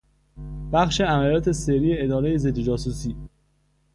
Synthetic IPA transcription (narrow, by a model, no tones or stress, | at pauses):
b̥æxʃe̞æmælijɒːt̪ʰeseɾiːeed̪ɒːɾe̞jezed̪ːed͡ʒɒːsusiː